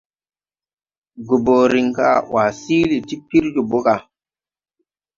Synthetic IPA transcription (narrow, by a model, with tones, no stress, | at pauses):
ɡo˨bo˨ɾi˨ŋka̰˦˨wa˨si˦li˨ti˦pi˦ɾd͡ʒu˨bo˦ka˨